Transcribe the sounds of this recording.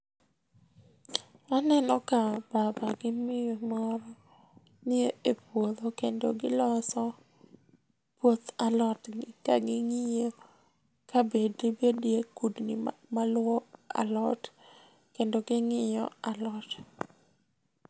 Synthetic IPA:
anɛnɔkababaɡɪmɪjɔmɔɾɔ | nɪeepwod̪okendo̰ɡɪlɔsɔ | pwot̪alɔtɡɪka̰ɡɪŋɪjɔ | kabedibedjekudnɪmalwɔa̰lɔt | kendoɡɪŋɪjɔ̰alɔt

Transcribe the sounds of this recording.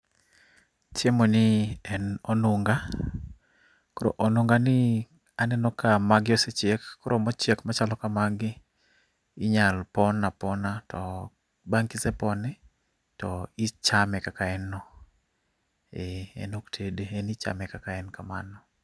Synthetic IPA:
tjemonɪɛnonuŋɡa | kɔɾo̰ʔonuŋɡanɪ | anɛnɔkamaɡɪɔset͡ʃɛkːɔɾomɔt͡ʃɛkmat͡ʃalɔkamaɡɪ | ɪɲalpɔnːapɔnatɔ | baŋkɪsɛpɔnɪ | tɔɪt͡ʃamɛkakaɛnːɔ | eɛ̰noktʰedeɛnɪt͡ʃa̰mɛkakaɛnkama̰nɔ

